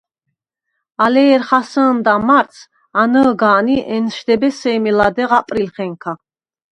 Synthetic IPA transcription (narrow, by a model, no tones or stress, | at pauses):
alɛːɾχasəːnd̪amaɾt̪s | anəːɡaːniʔɛnʃd̪ɛbɛsɛːmilad̪ɛʁapʼɾilχɛŋkʰa